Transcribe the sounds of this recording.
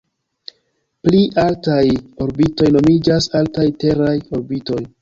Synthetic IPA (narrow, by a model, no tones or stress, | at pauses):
pliʔaltajo̞ɾbito̞jno̞mid͡ʒasaltajte̞ɾajo̞ɾbito̞j